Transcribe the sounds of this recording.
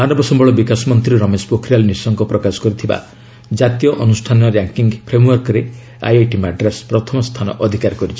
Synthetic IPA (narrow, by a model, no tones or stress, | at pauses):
manɔbɔsɔmbɔɭɔbikasɔmɔnt̪ɾiɾɔmespokʰɾialnisɔŋkɔpɾɔkasɔ̥kɔɾit̪ʰiba̰ | d͡ʒat̪ijɔʔɔnusʈʰanɔɾjaŋkiŋɡpʰɾemwɔɾkɔɾe | a̰jaʈimaɖɾespɾɔt̪ʰɔmɔst̪ʰanɔ̰ʔɔd̪ʱikaɾkɔɾit͡ʃʰi̥